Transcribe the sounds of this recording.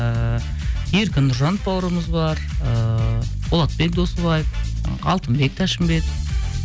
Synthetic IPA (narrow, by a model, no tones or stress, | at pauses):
je̞ɾkʲɪnːʊɾʒɑnt̪̚bɑwəɾəməzbɑɾəbolˠɑt̪̚be̞k̚d̪o̞səβɑjəfɑ̰lˠt̪əmbe̞k̚t̪ʰæʃɪmbe̞k̪